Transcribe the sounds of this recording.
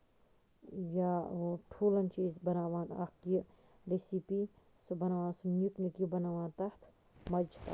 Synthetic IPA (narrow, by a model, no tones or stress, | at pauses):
jaʈʰuːlɐnt͡ʃiːzbɐnaːʋaːnɐ̰hki | ɾesipiː | sɨbɐnaʋãːnsɨnʲuknikibɐnaʋãːnt̪ɐht̪ʰ | mɐd͡ʒʰka̰